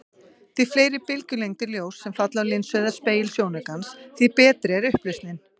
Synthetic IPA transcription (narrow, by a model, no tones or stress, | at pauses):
θifleːjɾɪpɪlcʏlejŋt̪ɪɾljoːwsːɛmfat̪lalɪnsvœðaspeːjɪlsjoːwnɛkansθipɛːt̪ɾɪɛɾʏhplɪst̪nɪn